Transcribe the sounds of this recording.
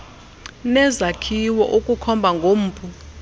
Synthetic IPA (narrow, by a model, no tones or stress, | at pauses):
nɛzakʰiwɔʔokʼukʰɔmbʱaŋɡʱom̩ːpʰʼu